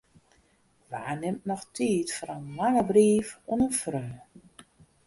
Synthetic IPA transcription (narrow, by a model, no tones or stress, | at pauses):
ʋa̰ːnɪmtnɔxtʰiːtfɾənmanəbriːfuənənfrøː